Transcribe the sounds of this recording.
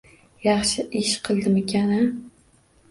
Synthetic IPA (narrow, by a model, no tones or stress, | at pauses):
jɑχʃɪʔɪʃqʰɨlˠd̪ɪmekʲʰana